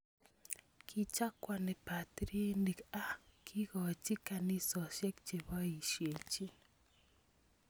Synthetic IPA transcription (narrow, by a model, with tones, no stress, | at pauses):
kʰi˦t͡ʃa˦kwa˨nɛ˨pa˨tɾe˦ni˨ka˦kʰi˦ɣɔ˨t͡ʃi˦ka˨ni˦sɔ˨ʃjɛ˦kt͡ʃe˨βɔ˦i˨ʃje˨t͡ʃi˦